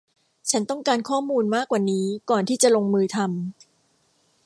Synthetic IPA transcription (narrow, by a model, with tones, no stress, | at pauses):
t͡ɕʰa˦˥nt̪ɔ˥˩ŋkaː˧nkʰɔː˥˩muː˧nmaː˥˩kːwaː˨˩niː˦˥kɔː˨˩nt̪ʰiː˥˩t͡ɕa˨˩lo˧ŋmɯː˧t̪ʰa˧m